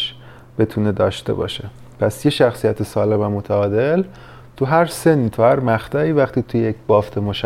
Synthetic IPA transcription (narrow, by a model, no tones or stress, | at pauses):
ʃ | b̥e̞t̪ʰune̞d̪ɒːʃt̪e̞̰bɒ̰ːʃe | pʰæsjeʃæxsijæt̪ʰesɒːlemæmot̪ʰæɒːd̪el | t̪ʰuɦæɾse̞nːiːt̪ʰuhæɾmæxt̪ʰɒːiːvæxt̪iːt̪ʰujejecb̥ɒːft̪ʰemoʃ